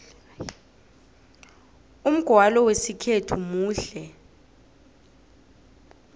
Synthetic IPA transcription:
um̩ɡ̥ʱwalɔwesikʰetʰumuːɬɛ

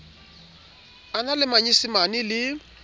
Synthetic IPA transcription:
analɪmaɲisɪmanɪlɪ

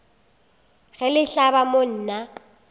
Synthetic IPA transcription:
ɣɛlɪɬabamon̩ːna

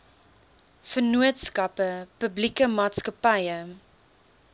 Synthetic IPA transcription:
fənuətskɐpəpəblikəmɑːtskɐpɐjə

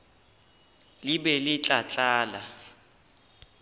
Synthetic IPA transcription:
liɓɛlit͡ɬʼat͡ɬʼaːla̰

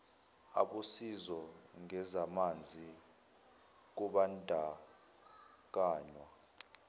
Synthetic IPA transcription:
a̰ɓusizɔŋɛzamand͡zʱi | k̬uɓandʱa | k̬aːɲwa

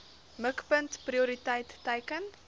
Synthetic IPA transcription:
məkpəntpriuɾitəjtːɛjkən

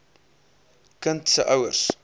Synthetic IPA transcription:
kənt̪səʔɐwərs

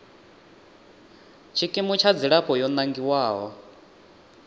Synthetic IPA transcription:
t͡ʃʰikʼimut͡ʃʰad͡ziɺapʼɔjɔnaŋɡiwaːɦɔ

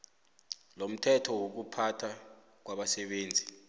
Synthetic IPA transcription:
lom̩tʰɛtʰɔwok̬upʰatʰa | k̬waɓasɛɓeːnd͡zʱi

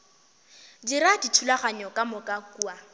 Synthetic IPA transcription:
diɾaditʰulaχaɲɔkʼamʊkʼakua

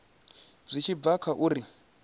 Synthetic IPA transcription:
zʷit͡ʃʰivakʰaʔuɾi

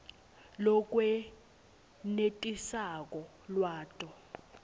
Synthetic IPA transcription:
lɔk̬ʼwɛ | netʼisak̬ʼɔ | lwaːtʼɔ

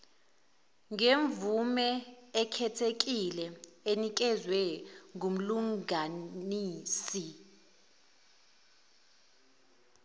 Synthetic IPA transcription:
ŋeɱvumɛːkʰɛtʰek̬ʼilɛenik̬ɛzwɛŋum̩luŋaniːsi

